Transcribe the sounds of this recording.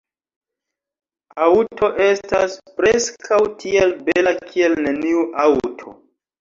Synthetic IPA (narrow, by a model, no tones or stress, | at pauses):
awtʰo̞ʔestaspɾe̞skʰawtʰie̞lbe̞lakʰie̞lneniuʔawtʰo̞̰